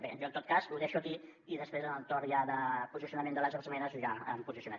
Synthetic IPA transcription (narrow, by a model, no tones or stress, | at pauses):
bḛʒoənt̪ot̪̚kazuðeʃuəki | iðəspɾezənəlˠt̪oɾjaðəpuzisiunəmend̪ələzozmɛnəzʒaəmpuzisiunə